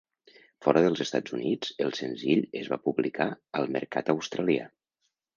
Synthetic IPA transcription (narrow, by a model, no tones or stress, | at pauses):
fɔɾəðəlˠzəst̪ad͡zunid͡zəlˠsənziʎəzβa̰puβlikaəlˠmə̰ɾka̰t̪əwst̪ɾalia̰